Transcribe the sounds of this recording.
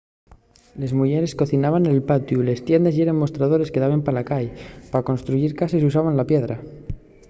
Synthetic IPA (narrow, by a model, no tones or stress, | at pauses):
le̞zmuʝe̞ɾe̞sko̞θinaβanelpat̪jule̞st̪je̞nd̪esjeɾenmo̞st̪ɾað̞o̞ɾe̞ske̞ðaβempalakajpako̞nst̪ɾuiɾkasis̬us̬aβanlapje̞ðɾa